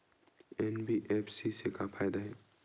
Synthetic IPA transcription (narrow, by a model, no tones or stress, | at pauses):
ɛnbiʔepʰsisekapʰaːjd̪aɦɛː